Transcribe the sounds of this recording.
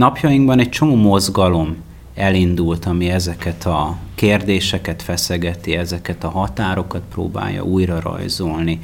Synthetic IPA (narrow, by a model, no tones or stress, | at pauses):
nɒpjɒjiŋɡbɒnɛc̚t͡ʃo̞moːmo̞zɡɒlo̞m | ɛlind̪ult̪ɒmiɛzɛkɛt̪ʰɒkeːrd̪eːʃɛkɛt̪fɛsɛɡɛt̪iɛzɛkɛt̪ɒɦɒt̪aːɾo̞kɒt̪pro̰ːba̰ːjːɒ̰ʔuːjrɒrɒ̰jzolni